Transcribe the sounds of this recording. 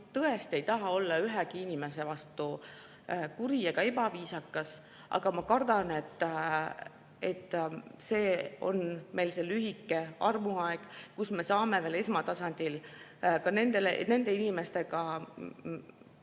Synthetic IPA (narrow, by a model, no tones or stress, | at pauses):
t̪ɤe̞st̪e̞jt̪ɑɦɑo̞lːɑyɦɛɡiinime̞se̞vɑst̪u | kuɾieɡ̥ɑe̞bɑviːsɑkːˑɑs | ʔɑ̰ɡ̥ɑmɑkɑrd̪ɑne̞t̪ːˑ | et̪ːˑse̞ːo̞̰nme̞jlselyɦikːˑe̞ɑrmuɑeɡ̥kusme̞sɑːme̞ve̞ːlesmɑt̪ɑsɑnʲd̪̥ilkɑne̞nd̪e̞lḛne̞nd̪̥e̞inʲime̞st̪e̞ɡɑ